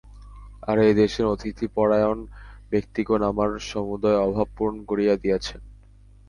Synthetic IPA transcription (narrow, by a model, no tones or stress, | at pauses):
aɾejd̪eʃeɾot̪ʰit̪ʰipɔɽajonbek̚t̪ikonamaɾʃɔmud̪aeɔbʱab̚puɾnɡoɾiad̪ijet͡ɕʰen